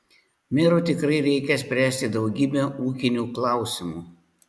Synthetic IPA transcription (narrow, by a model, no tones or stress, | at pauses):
mʲɪɾut̪ʲɪkɾɐɪɾʲɛɪkʲɛsʲpʲɾʲæːsʲt̪ʲɪd̪ɒʊɡʲiːbʲɛuːkʲɪnʲuːklˠɑˑʊsʲɪmuː